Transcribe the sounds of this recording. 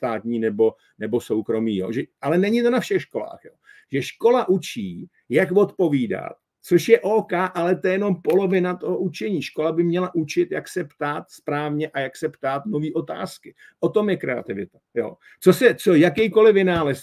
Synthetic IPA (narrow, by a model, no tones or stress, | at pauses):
st̪aːt̪ɲiːnɛbo̞ | nɛbo̞so̞wkɾo̞miːjo̰ːʒɛʔalɛnɛɲɪt̪o̞nafʃɛxʃko̞la̰ːxjo̰ː | ʒ̥ɛʃko̞laʔut͡ʃiː | jakvo̞t̪po̞viːda̰t̪̚ | t͡so̞ʃjɛʔoːkaːʔalɛt̪ɛjɛno̞mpo̞lo̞vɪnat̪oɦoʔut͡ʃɛɲiːʃko̞labɪmɲɛlaʔut͡ʃɪt̪jaksɛpt̪aːt̪spɾaːvɲɛʔajaksɛpt̪aːt̪no̞viːʔo̞t̪a̰ːskɪ | ʔo̞t̪o̞mjɛkɾɛa̰t̪ɪvɪt̪ḁjo̰ː | t͡sosɛt͡sojakɛjko̞lɪvɪnaːlɛs